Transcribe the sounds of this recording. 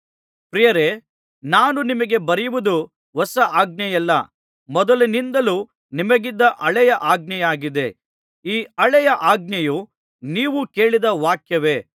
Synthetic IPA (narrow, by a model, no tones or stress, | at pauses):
pɾijɐɾe | naːnunimɐɡe̞bɐɾɛjuʋud̪u | ɦɔsɐʔaːɡnɐjɛlːɐ̰ | mɔd̪ɐlinind̪ɐlu | nimɐɡid̪ːɐʔɐɭɛjɐʔaːɡ̚nɐjaːɡid̪e̞ | iːɐɭɛjɐʔaːɡ̚nɐju | niːʋuke̞ːɭid̪ɐʋaːkjɐʋe̞